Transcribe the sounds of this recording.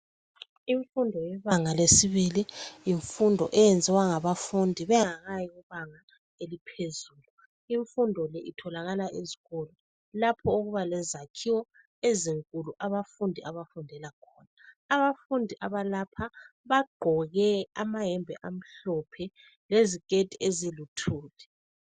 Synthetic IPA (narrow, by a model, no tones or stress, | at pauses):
iɱfundʱɔjɛβaŋalesiβilijiɱfundʱɔ̰ʔɛjɛnd͡zʱɛwaŋaβafundʱiβɛŋaɣajiɣuβaŋa | elipʰezuːlu | iɱfundʱɔlɛʔitʰɔlaɣalaʔeziɣɔlɔ | lapʰɔoɣuβalɛzakʰiwɔ | eziŋkʼuluʔaβafundʱiʔaβafundʱɛlakʰɔːnaː | βafundʱiʔaβalapʰaβaɡ͡ǃʱɔɣɛamaɦɛmbʱɛ̰ʔam̩ɬɔpʰɛ | lezikʼetʼiezilutʰuːlɛ